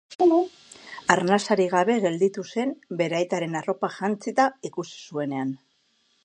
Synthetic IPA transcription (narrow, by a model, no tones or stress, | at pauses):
aɾnasaɾiɣ̞aβe̞ɣe̞ld̪it̪use̞nbe̞ɾajt̪aɾe̞naro̞paʝant͡sit̪aikusi̥sue̞ne̞an